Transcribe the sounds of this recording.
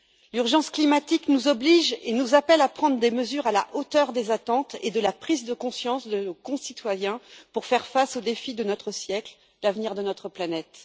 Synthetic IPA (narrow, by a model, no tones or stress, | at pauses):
lyʁʒɑ̃sklimat̪iknuzɔbliʒenuzapɛlapχɑ̃d̪ʁd̪eməzyʁala̰ʔot̪œʁd̪ezat̪ɑ̃t̪ed̪əlapχizd̪əkɔ̃sjɑ̃sd̪ənokɔ̃sit̪wajɛ̃puʁfɛʁfasod̪efid̪ənɔt̪χəsjɛkl | lavniʁd̪ənɔt̪χəplanɛt̪